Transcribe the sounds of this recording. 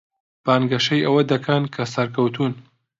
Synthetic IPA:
b̥aːnɡɐʃɐjʔɐwɐd̪ɐkʰɐnkʰɐsɐɾkʰɐwt̪ʰuːn

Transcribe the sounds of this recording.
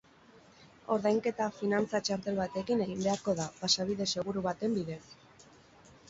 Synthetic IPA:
o̞ɾðajŋke̞t̪afinant͡sat͡ʃaɾt̪e̞lβat̪e̞kine̞ɣimbe̞aɾko̞ðapasaβ̞iðe̞se̞ɣ̞uɾuβat̪e̞mbiðe̞s

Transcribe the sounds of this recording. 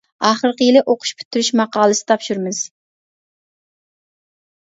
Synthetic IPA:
ɑːχəɾqəjilɪʔoqʰʊ̥ʃpʰy̥t̪ʰːyɾyʃmɑqɑːlˠɨsɪ̥t̪ʰɑpʃuɾmɨz̥

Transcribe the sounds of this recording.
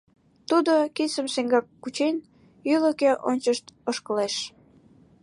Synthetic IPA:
t̪ud̪okit͡səmseŋɡɑkːut͡ɕen | yləkeʔonʲt͡ɕəʃt̪oʃkəleʃ

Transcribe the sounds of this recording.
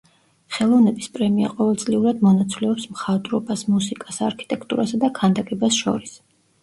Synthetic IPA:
χɛlˠɔvnɛbispʼɾɛmia̰qʼɔvɛlˠt̪sʼliuɾad̪mɔnat̪sʰvlɛɔpsmχad̪ɾɔbasmusikʼasaɾkʰi̥t̪ʼɛkʰt̪ʼṵɾasad̪akʰand̪akʼɛbasʃɔ̰ɾis

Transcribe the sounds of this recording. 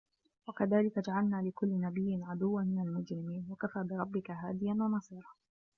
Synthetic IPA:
wakaðaːlɪkad͡ʒaʕalnaːlɪkʊlːɪnabɪjːɪnʕad̪ʊwːamɪnalmʊd͡ʒɾɪmiːnwakafaːbɪɾˤɑbːɪkaɦaːd̪ɪjanwɑnɑsˤiːɾˤɑː

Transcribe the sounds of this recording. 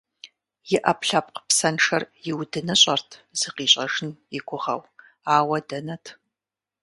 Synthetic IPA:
jɪʔɐpɬɐp̚qə̥psɐnʂɐrjɪwdɨnɨɕʼɐrtʰz̥ɨqiːɕʼɐʒɪnjɪɡʷʰʊʁɐ̰w | aːwɐdɐnɐtʰ

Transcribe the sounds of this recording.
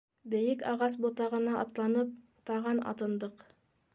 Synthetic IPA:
bɘ̆jɘkɑʁɑs̬bŏt̪ɑʁɤ̆nɑɑ̰t̪lˠɑnɤp̚ | t̪ɑʁɤnɑ̰t̪ɤ̆nd̪ɤq

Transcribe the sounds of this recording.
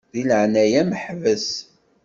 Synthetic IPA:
ðilʕnæjæməħvəs

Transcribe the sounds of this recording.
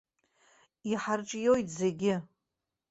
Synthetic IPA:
iħarʈ͡ʂʼjojtʰʼzeɡʲɪ

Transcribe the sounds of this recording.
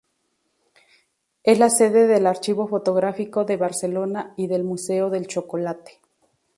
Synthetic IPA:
e̞slase̞ðe̞ðe̞laɾt͡ʃiβo̞fo̞t̪o̞ɣɾafiko̞ðe̞βaɾse̞lo̞naiðe̞lmuse̞o̞ðe̞lt͡ʃokolat̪e̥

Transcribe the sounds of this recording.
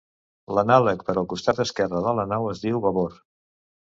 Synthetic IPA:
lənaləkpəɾɔlˠkust̪at̪̚d̪əskɛrəðələnawəzðiwβəβoɾ

